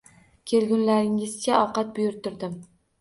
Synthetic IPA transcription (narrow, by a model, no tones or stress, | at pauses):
kʲʰe̞lɡʲʊnlaɾɪŋɪzkʰʲaɒwqɑt̪̚bʊjʊɾt̪ʰʊɾd̪ɪm